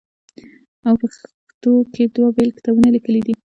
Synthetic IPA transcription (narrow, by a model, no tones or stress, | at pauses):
awpəx | t̪oked̪wabelkt̪abunalikəlid̪i